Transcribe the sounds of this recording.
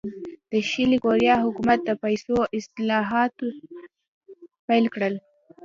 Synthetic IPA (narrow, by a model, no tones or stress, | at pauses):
d̪̥əʃilikoɾjɑɦʊkumat̪̚d̪əpajsoʔɪst̪ɪlɑɦɑt̪o | pajlkɽəl